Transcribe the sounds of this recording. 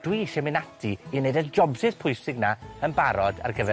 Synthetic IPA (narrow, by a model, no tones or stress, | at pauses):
d̥wiʃɛmɪnatʰiːneɨdəd͡ʒɔbsɪð̥pʰʊjsɪɡnaənbaɾɔda̰rɡəvɛ